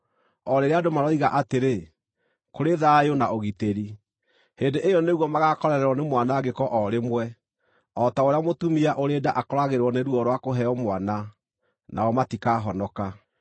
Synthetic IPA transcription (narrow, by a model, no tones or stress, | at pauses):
ɔɾeɾeadomaɾɔiɣaʔateɾe | koɾeðajonaoɣiteɾi | heːndeʔejɔneɣwɔmaɣakɔɾɛɾɛɾɔnemwanaɡekɔʔɔɾemwɛ | ɔtaoɾeamotumiaʔoɾedaʔakɔɾaɣeɾwɔneɾwɔɾwakoɦɛɔmwana | na̰ɔmatikaːɦɔnɔka